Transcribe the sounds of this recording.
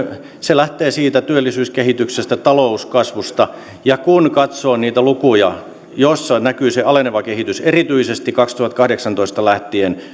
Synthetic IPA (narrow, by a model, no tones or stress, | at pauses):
selæht̪eːsiːt̪æt̪yølːisyːskehit̪yksest̪æt̪ɑlouskɑsʋust̪ɑ | jɑkunkɑt̪soːniːt̪ælukujɑ | josːɑnækyːseɑleneʋɑkeɦhit̪yserit̪yisest̪ikɑkst̪uhɑt̪kɑhdeksɑnt̪oist̪ɑlæht̪ien